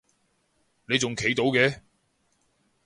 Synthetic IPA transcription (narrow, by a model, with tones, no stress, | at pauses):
ne˨˧jt͡sʊ˨ŋkʰe˨˥jt̪o˨˧˥wkɛː˨˥